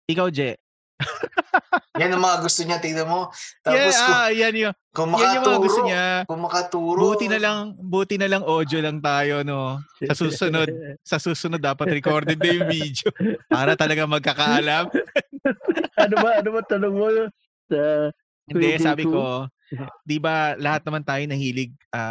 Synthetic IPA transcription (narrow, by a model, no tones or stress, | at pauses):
ʔɪkawd͡ʒɛʔ | janɐŋmɐŋaɡʊst̪oɲɐt̪id̪ɐmot̪aɛajanjo | kʊŋmɐjanjʊmɐɐŋaɡʊst̪oɲakʊmɐkɐt̪uːɾbuːt̪ɪnɐlɐŋbuːt̪ɪnɐlɐŋʔo̞d̪jolɐŋt̪aːjo̞nosɐsuːsʊno̞d̪̚sɐsuːsʊnod̪ːaːpɐt̪ɾɛko̞ɾd̪ɛnd̪ɐjʊŋviːd̪jopaːɾɐt̪ɐlɐɡamɐɡ̚kɐkɐʔɐlam | ʔɐnobɐʔɐnobɐt̪ɐnoŋmoj | sɐ | ɛnd̪ɛsaːbɪko̞ | d̪ibɐlɐhat̪̚nɐmant̪aːjonɐhiːlɪɡ̚ʔaː